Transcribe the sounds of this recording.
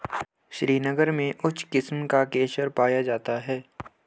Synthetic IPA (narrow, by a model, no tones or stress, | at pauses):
ʃɾiːnəɡəɾmẽʔʊt͡ʃʰkɪsmkakeːʃəɾpaːjad͡ʒaːt̪aɦɛː